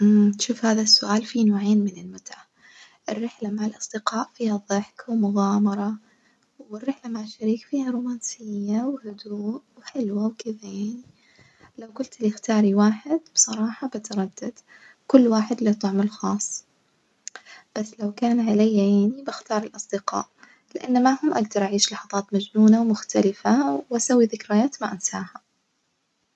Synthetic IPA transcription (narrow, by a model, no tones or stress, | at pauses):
ʔmʃuːfhaːðasːʊʔaːlfinoːʕeːnmɪnɪlmʊt̪ʕa | ʔɪrːɪħlamaʕɪlʔɑsˤd̪ɪqɑːʔfiːhaðˤɨħkwmʊɣaːmɑɾˤɑ | wɪrːɪħlamaʕaʃːaɾiːkfiːhaɾuːmaːnsɪjːawhʊd̪uːʔwħɪlwawkɪðajaaʕni | lawkʊlt̪lixt̪ɑːɾˤiwaːħɪd̪̥b̥sˤɑɾˤɑːħɑbat̪ɑɾˤɑd̪ːad̪̥ | kʊlːwaːħɪd̪lit̪ˤɑʕmalxɑːsˤː | b̥asːlawkaːnʕalajːajaʕnibɪxt̪ɑːɾˤɪlʔɑsˤd̪ɪqɑ̰ːʔ | lɪʔanːamaʕhʊmʔaɡd̪ɑɾˤʔaʕiːʃlɑħɑðˤɑːt̪mad͡ʒnuːnawmʊxt̪alɪfawʔasawːiðɪkɾajaːt̪maʔansaːha